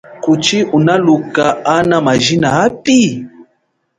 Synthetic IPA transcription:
kut͡ʃiʔunalukaanamaʒinaapi

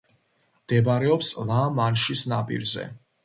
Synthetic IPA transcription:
md̪̥ɛbaɾɛɔpslˠamanʃisnapʼḭɾzɛ̰

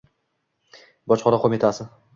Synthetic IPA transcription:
bɒt͡ʃχɒnaqʰomɪt̪ʰasɪ

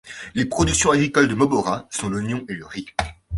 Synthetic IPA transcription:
lepχɔd̪yksjɔ̃aɡʁikɔld̪əmɔbɔʁasɔ̃lɔnjɔ̃eləʁi

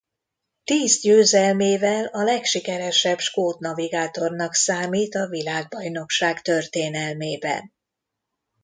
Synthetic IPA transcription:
t̪iːzɟøːzɛlmeːvɛlɒlɛkʃikɛɾɛʃɛbʃkoːt̪nɒviɡaːt̪o̞rnɒksaːmiːt̪ɒvilaːɡ̚bɒjno̞kʃaːkt̪ørt̪eːnɛlmeːbɛ̰n

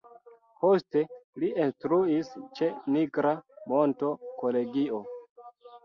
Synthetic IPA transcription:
poste̞liinstɾuist͡ʃe̞niɡɾamo̞nto̞ko̞le̞ɡio̞

